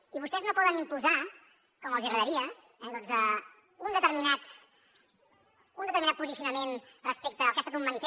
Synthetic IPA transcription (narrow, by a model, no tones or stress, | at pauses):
iβust̪ɛznopɔðənimpuza | kɔməlˠziəɣɾəðəɾiə | ɛd̪ɔnzə | und̪ət̪əɾminat̪ | unət̪əɾminat̪puzisiunəmenrəspek̚t̪əːkɛst̪ək̪umːənif